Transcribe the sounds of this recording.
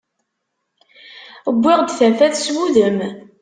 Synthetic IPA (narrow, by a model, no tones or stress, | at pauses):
əbʷːɪʁd̪θæfæθswuðəm